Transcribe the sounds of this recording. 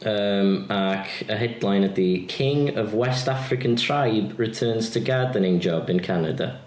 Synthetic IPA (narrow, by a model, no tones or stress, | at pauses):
əmakʰəɦɛdlãɪ̃nəðəkʰɪ̃ŋəvwɛstafɹɪkə̃ntʰɹ̥aɪbɹɪtʰɜːnz̥tʰəɡaːdənɪ̃ŋd͡ʒɔbɪ̃nkʰanə̰də̰